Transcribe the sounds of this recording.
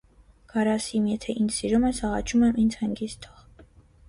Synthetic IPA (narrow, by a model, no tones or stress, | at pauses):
ɡ̥ɑɾɑsimjɛt̪ʰɛʔinsiɾumɛsɑʁɑt͡ʃʰumɛmʔind͡zhɑŋɡist̪ʰɔʁ